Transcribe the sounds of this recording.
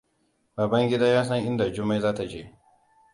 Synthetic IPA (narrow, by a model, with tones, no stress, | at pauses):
baː˨bɐ˦ŋɡʲɪ˦daː˦jaː˦s̬ɐ˦ŋʔɪ˦nda˨d͡ʒʊ˦mːa˦jzaː˦ta˨t͡ʃḛː˦˨